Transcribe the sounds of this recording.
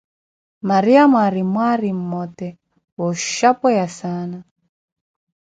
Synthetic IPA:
maɾiamwaɾimwaɾimmɔtɛ | wɔʃapɔjasana

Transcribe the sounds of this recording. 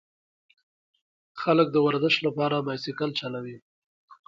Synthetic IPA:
xalək̚d̪əwaɾzəʃt̪lapɑɾamɑjsɪkalt͡ʃalawi

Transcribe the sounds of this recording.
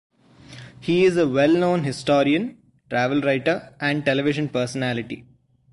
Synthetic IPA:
hiːɪzəʋɛlnõːnɦɪsʈɔːɾiə̃n | ʈɾæːʋəlɾaɪʈəɾæ̃ɳɖ̚ʈɛlɛʋɪʃə̃npəːɾsənæːlɪʈḭ

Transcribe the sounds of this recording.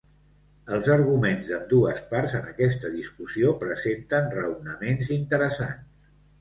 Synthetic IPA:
əlˠzəɾɣumenzðəmd̪uəspaɾzənəkɛst̪əðiskusiopɾəzent̪ənrəwnəmenzint̪əɾəsa̰ns

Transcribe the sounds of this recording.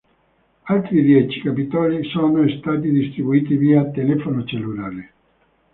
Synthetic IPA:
alt̪ɾid̪jɛt͡ʃi̥kapit̪ɔːlisɔːnost̪aːt̪̬id̪ist̪ɾibuiːt̪iviːat̪ːelɛfonot͡ʃelːulaːɾe

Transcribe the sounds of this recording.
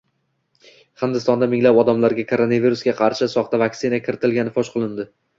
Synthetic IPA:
χɪnd̪ɪst̪ɒnd̪amɪŋlapɒd̪amlaɾɡʲakʰoɾonaviɾusɡʲaqʰɑɾʃɪsɒχt̪avakʲsɪnakʲʰɪɾɪt̪ʰɪlɡʲanɪfɒʃqʰolˠɪnd̪ɪ

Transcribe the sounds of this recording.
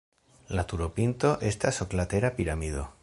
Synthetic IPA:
lat̪uɾopint̪oʔest̪asoklat̪eɾapiɾamiðo

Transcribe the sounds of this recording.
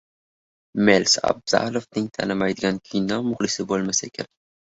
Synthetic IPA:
melsa̰b̚z̥a̰lˠofnɪŋt̪ʰa̰nɪmajd̪ɪɡʲankʲʰijnɒmʊχlɪsɪbolˠmasaekʲʰa̰n

